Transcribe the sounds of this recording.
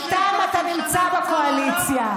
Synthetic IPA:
t̪amat̪anim̩tabakɔalisia

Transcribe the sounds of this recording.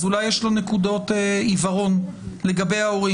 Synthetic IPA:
zulajːeʃlo̞ne̞kudo̞teivaʁo̞nle̞ɡabe̞jao̞ʁi

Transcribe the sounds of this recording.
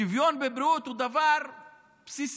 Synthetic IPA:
ivjonbebɾut̪ud̪avaɾ | psis

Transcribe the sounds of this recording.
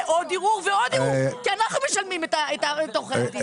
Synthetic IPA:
ʔo̞d̪iʁuʁveo̞d̪iʁuʁkianaχnumeʃalmimetaet̪aet̪oχet̪i

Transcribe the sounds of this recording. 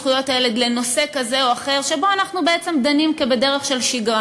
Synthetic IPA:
χujo̞tjeled̪le̞no̞se̞kaze̞oaχe̞ʁʃe̞bo̞anaχnubeet͡se̞md̪animkebede̞ʁeχʃelʃiɡʁa

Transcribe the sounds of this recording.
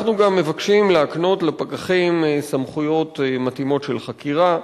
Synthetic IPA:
χnuɡamːe̞vakʃimleakno̞tlapakaχimsamχujo̞t̪matimo̞tʃelχakiʁa

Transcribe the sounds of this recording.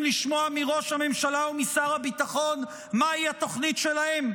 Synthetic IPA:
liʃmo̞amiʁo̞ʃhame̞mʃalaumisaʁabit̪aχo̞n | maiat̪o̞χnitʃe̞lahe̞m

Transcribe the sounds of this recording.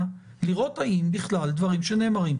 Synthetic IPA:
liʁo̞t̪aimbiχlald̪vaʁimʃene̞ːmaʁim

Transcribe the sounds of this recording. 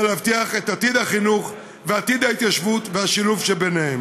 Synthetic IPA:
leavt̪iaχet̪at̪id̪haχinuχ | veat̪id̪ait̪jaʃvut̪veaʃilufʃebe̞nehem

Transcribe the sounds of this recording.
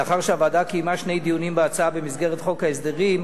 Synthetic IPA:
aχaʁʃeavad̪akijmaʃnejd̪ijunimbeat͡saabemizɡeʁet̪χokaesd̪eʁim

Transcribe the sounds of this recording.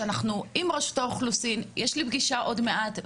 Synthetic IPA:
anaχnuʔimʁaʃt̪oχlusinjʔɛʃlibɡiʃaʔo̞dme̞ʔat̪

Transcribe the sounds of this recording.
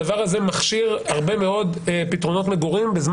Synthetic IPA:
avaʁazemaχʃiʁhaʁbe̞meo̞d̪pitʁo̞no̞t̪meɡuʁimbezm

